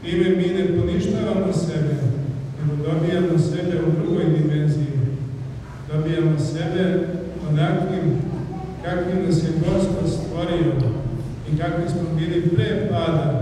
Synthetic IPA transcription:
pɾiːmeminepo̞niʃt̪aʋanosebeneɡod̪o̞bijamosebeud̪ɾuɡojd̪imenziji | d̪o̞bijamose̞be | onakʋim | kakʋimseɡo̞spod̪st̪ʋo̞ɾio | ikakʋismobilipɾeːpaːd̪a

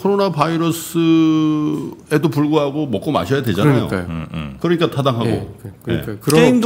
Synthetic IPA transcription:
kʰoɾonabaiɾʌsʰɯ | e̞dopuɭɡuɦaɡomʌk͈oma̰ɕʰʌjade̞d͡ʑanaijo̰kɯɾʌɲik͈atʰadaŋɦaɡo̰ke̞̰kɯeeind

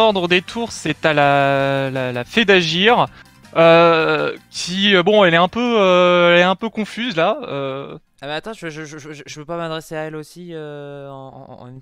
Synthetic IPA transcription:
ɔʁd̪ʁəd̪et̪ʰuʁsɛt̪alalalafɛd̪aʒiʁ | ø | kʲʰiøbɔ̃ɛlɛɛ̃pøøɛlɛɛ̃pøkɔ̃fyzlaø̰ | abɛat̪ɑ̃ʒəøʒəʒəʒʒəʒəvøpamad̪ʁeseaɛlosiøɑ̰̃n

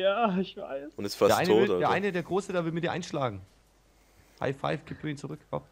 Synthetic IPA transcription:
jaːɪçv̥a̰ɪsʊntɛstfasɐʔaɪnoːdeɐaɪnədeːɐɡʁoːsədeɐvɪlmɪtdiɐʔaɪnʃlaːɡŋ̩ | ha̰ɪfa̰ɪfɡ̥iːpfɪiːnt͡suʁʏkɔ̰p

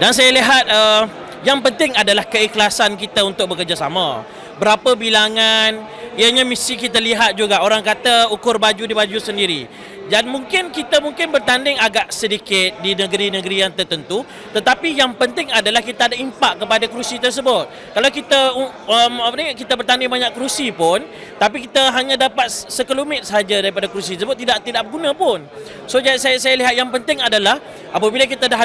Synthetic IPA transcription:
dans̬ajaliɦat̪̚ə | jaŋpənt̪ɪŋadalahkəiklasankit̪aunt̪ʊk̚bəkərd͡ʒasamã | bəɾapəbilaŋan | iəɲamisikit̪əliɦat̪̚d͡ʒuɡaoɾaŋkat̪aukʊrbad͡ʒudibad͡ʒusəndiɾi | danmũŋkɪnkit̪amuŋkɪnbərt̪andɪŋaɡaʔsədikɪt̪̚dinə̃ɡəɾinə̃ɡəɾijaŋt̪ərt̪ənt̪u | t̪ət̪apijaŋpənt̪ɪŋadalahkit̪aːdaimpaʔkəpadakɾusit̪ərs̬əbʊt̪̚ | kalawkit̪au | əmpənaŋaʔkit̪abərt̪andɪŋbaɲaʔkɾusipʊn | t̪apikit̪aɦaɲãdapat̪̚səkəlumɪt̪̚səɦad͡ʒadaɾipadakɾus̬it̪əsəbʊt̪ːidaʔt̪idaʔbəɡunãpʊn | sod͡ʒaasajasajaliɦat̪̚jaŋpənt̪ɪŋadalah | ʔapabilak̬it̪adaɦ

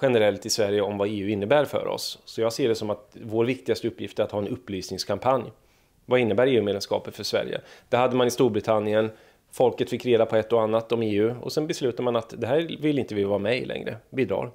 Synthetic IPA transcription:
ɧɛnəɾɛlt̪ɪsvæɾjəɔmvaeːʉ̟ɪnːəbæːɾfœ̰ɾɔ̰sːɔjɑːɡseːɖɛsɔmat̪voːɾvɪk̚t̪ɪɡast̪əɵpːjɪft̪əɾat̪hɑːɛnɵpːlyːsnɪŋskʰampʰanj | vaɪnːəbæːɾeːʉːmeːd̪ɛmskɑ̰ːpət̪fœʂvæ̰ɾjə̰d̪̥ɛɾhad̪ːəmanɪst̪uːɾbɾɪt̪ʰanːɪən | fɔlkət̪fɪkːɾeːd̪apʰɔɛt̪ːɔanːat̪ɔmeːʉ̟ːɔ̰sɛnbɛslʉ̟ːt̪aɾmanat̪d̪ɛɦæːɾvɪlːɪnt̪əvɪvɑːɾamɛjlɛ̰ŋɾə̰biːd̪ɾɑ̰ːɾ

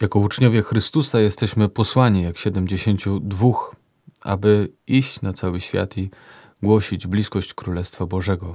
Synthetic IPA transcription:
jakɔut͡ʂɲɔvʲjɛxɾɘst̪usajɛst̪ɛɕmɘpɔswaɲijakɕɛd̪ɛmd͡ʑeɕeɲt͡ɕud̪vux | ʔa̰bɘiɕt͡ɕnat̪sawɘɕfʲja̰t̪i | ɡwɔɕid͡ʑblʲiskɔɕt͡ɕkɾulɛst̪fabɔʐɛɡɔ

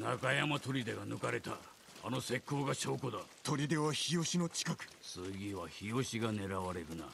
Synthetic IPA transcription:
nakajamat̪o̞ɾʲid̪e̞ɡanɯkaɾe̞t̪a̰ | a̰no̞se̞kʰːo̞ːɡaɕo̞ːkod̪at̪o̞ɾʲid̪e̞βaçijo̞ɕino̞t͡ɕi̥kakɯ̟̥sɨɡʲiβaçijo̞ɕiɡane̞ɾaβaɾe̞ɾɯ̟na̰

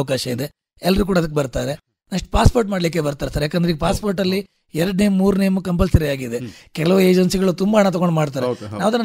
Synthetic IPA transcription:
ɐk̬aːʃɐid̪e̞ | ɛlːɐɾuːk̬uːɽɐd̪ɐk̬ːebɐɾt̪aːɾe | nɐʂʈpaːspoːɾʈ̬maːɖlik̬ːebɐɾt̪aːɾesɐɾjaːkeːnd̪ɾeiɡpaːspoɾʈɐlːi | ɛɾɐɖnemːuːɾnemukɐmpɐlsɐɾiaːɡid̪ekɛlɐʋue̞ːd͡ʒɐnsiɡɐɭut̪umbɐɐɳat̪̬ɐɣɡo̞ɳɖmaːɽt̪̬aːɾenaːʋɐd̪ɐn

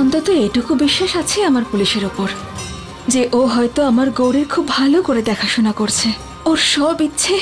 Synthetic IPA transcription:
ɔnt̪ot̪oejʈukʰubiʃːaʃat͡ɕʰeamaɾpuliʃeɾopoɾ | d͡ʑeʔoɦɔjt̪oamaɾɡowɽeɾkʰubʱalokoɾed̪ɛkʰaʃonakoɾt͡ɕʰe | oɾʃɔbit̪ːɕʰe

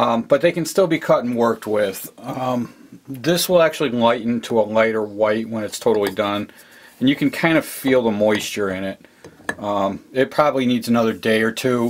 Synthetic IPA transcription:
ʌb̥ʌt̪̚ðeɪkɨ̃nstɪlˠbikʰʌɾn̩wɜ˞k̚t̚wɪð̥ʌ̃m | ðɪswəlˠæk̚t͡ʃʉl̩ˠilaɪʔn̩tʰəəlaɪɾə˞waɪt̚wə̃nɨtstʰoʊɾl̩ˠidʌ̃n | ɨ̃njɨkɨ̃n̩kʰãɪ̃ndɨfilˠðəmɔɪst͡ʃə˞ɪ̃nɪt̚ʌ̃mɪt̚pʰɹ̥ɑbəblinidzɨnʌðə˞deɪə˞tʰʉ

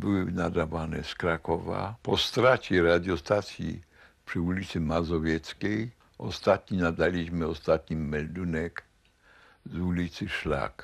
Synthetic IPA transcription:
bɪwɪnad̪avanɛ̰skɾakɔva̰pɔst̪ɾat͡ɕɛɾad̪jɔst̪at̪sʲjḭ | pʂɨulʲit̪sɨmazɔvʲjɛt̪skʲɛj | ɔ̰st̪at̪ɲinad̪alʲiʑmɪɔst̪at̪ɲimɛld̪unɛk | zulʲit̪sɨʂla̰k

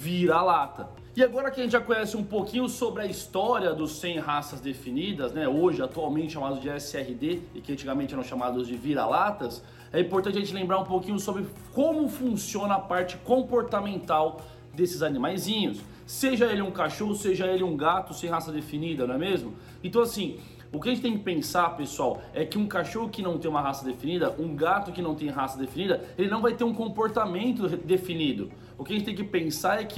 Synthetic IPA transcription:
viɾɐalat̪ɐ | ɪaɡɔɾɐkɪɐʒẽt͡ʃɪʒakõɲɛsɪũpokĩɲʊsobɾɪɐist̪ɔɾiɐd̪ʊsːẽj̃ɦasɐzd̪efinid̪ɐznɛoʒɪat̪uawmẽntt͡ʃɪʃamad̪ʊzd͡ʒɪɛsɪɛɦɪd̪eɪkɪɐ̃t͡ʃiɡamẽnt͡ʃɪɛɾɐ̃w̃ʃamad̪ʊzd͡ʒɪviɾa̰lat̪ɐs | ɛĩpoɾɐ̃tt͡ʃɪaɐʒẽnt͡ʃɪlẽmbɾaɾũpokĩɲʊsobɾɪ | kõmʊfũsiõnɐːpaɾt͡ʃɪ̥kõpoɾt̪amẽnt̪aw | d̪esɪzanĩmajzĩɲʊsː | eʒɐelɪũkaʃoɦʊseʒɐelɪũɡat̪ʊsẽj̃ɦasɐd̪efinid̪ɐñɛmezmʊ | ẽnt̪ɐ̃w̃asĩ | ʊkɪɐʒẽt͡ʃɪt̪ẽj̃kɪ̥pẽsapesuawɛkɪũkaʃohʊkɪnɐ̃w̃t̪ẽj̃umɐɦasɐd̪efinid̪ɐʔũɡat̪ʊkɪnɐ̃w̃t̪ẽj̃ɦasɐd̪efinid̪ɐelɪnɐ̃w̃vajt̪eɾũkõmpoɾt̪amẽnt̪ʊd̪efinid̪ʊ̰ | ʊkɪɐʒẽt͡ʃɪt̪ẽkɪpẽsaɾɛkɪ

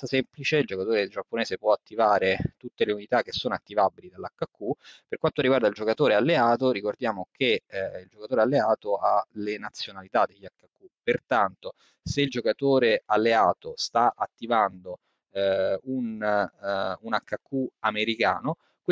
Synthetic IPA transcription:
asemplit͡ʃeild͡ʒokat̪oːɾed͡ʒapːoneːzepwɔat̪ːivaːɾet̪ut̪ːeleunit̪akːesːoːnoat̪ːivabilid̪alːakːakːuperkwant̪oɾiɡward̪aild͡ʒokat̪oːɾealːeaːt̪oɾikord̪jaːmokʰeild͡ʒokat̪oːɾealːeaːt̪oalenat̪sːjonalit̪ad̪ːeʎːakːakːupert̪ant̪o | seild͡ʒokat̪oːɾealːeaːt̪ost̪aʔat̪ːivand̪o | un | unakːakːuameɾika̰ːno | kw

